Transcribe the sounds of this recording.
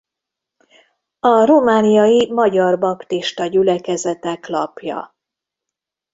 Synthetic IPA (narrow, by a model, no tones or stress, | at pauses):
ɒromaːnijɒjimɒɟɒrbɒpt̪iʃt̪ɒɟylɛkɛzɛt̪ɛklɒ̰pjɒ̰